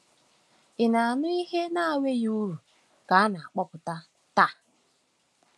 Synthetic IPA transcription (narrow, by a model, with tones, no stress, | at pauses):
ɪ˨na˨a˨nʊ˦i˦ɦe˦na˦a˨we˦ju˦ɾu˨ | ka˨a˦na˨a˨k͡pɔ˦pʊ˨ta˦ | ta˦